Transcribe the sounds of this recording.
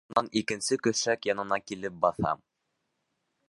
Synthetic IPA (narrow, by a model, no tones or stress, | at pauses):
nɑnikɘ̆nsɘkɵ̆θʃækjɑnɤ̆nɑkilɘp̚bɑθɑ̰m